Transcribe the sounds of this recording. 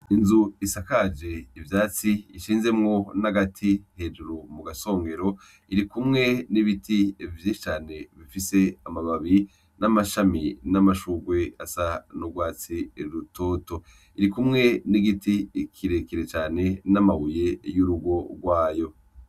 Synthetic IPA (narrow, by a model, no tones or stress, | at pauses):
inzuisakad͡ʒeivjaːt͡siːʃiːnze̞mŋo̞naɡatʰihe̞ːd͡ʒuɾumuɡaso̞ːŋɡe̞ɾo̞ | iɾikumŋe̞niβitivjeʃit͡ʃaːne̞βifise̞amaβaβi | namaʃaminamaʃuɡwe̞asanuɡwaːt͡siɾiɾutʰoːto̞ | iɾikumŋe̞niɡitikʰiɾe̞kiɾet͡ʃaːne̞namaβuje̞juɾuɡo̞ɡwaːjo